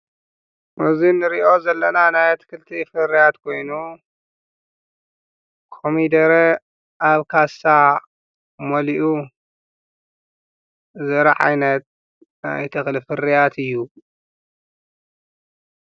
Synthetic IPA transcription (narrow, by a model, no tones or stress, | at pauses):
mɨzinɨɾiʔo̞zɐlːɐnanajt̪ʰɨ̥kʰɨlt̪ʰifɨrijat̪kʰo̞jnu | kʰomid̪ɐɾe | ʔaβkʰasa | mɐliʔu | zɐɾɐʕa̰jnɐt̪̚ | na̰jt̪ʰɨxlɨfɨrijat̪ʰɨjːu